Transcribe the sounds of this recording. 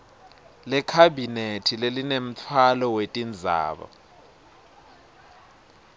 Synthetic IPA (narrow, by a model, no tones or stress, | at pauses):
lɛkʰabʱinetʰilelinem̩t͡fʰwalɔwetʼind͡zʱa̰ːɓa̰